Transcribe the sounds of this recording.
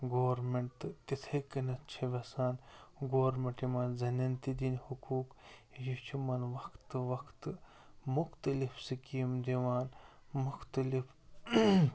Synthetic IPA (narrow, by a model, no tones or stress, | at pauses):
ɡoːɾmeɳʈt̪ɨt̪it̪ʰɐkɐnɐt̪̚t͡ʃʰɐʋʲɐsaːnɡoːɾmeɳʈimɐːnzɐnɐnt̪id̪inhukuːkjit͡ʃʰumɐnʋɐkʰt̪ɨʋɐkʰt̪ɨ | muxt̪ɐlifsɨkimd̪iʋaːn | mʊxt̪ɐlif